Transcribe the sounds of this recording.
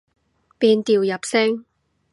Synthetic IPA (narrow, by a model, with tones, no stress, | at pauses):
piː˧nt̪iː˨˩wjɐ˨˩p̚sɛ˥ŋ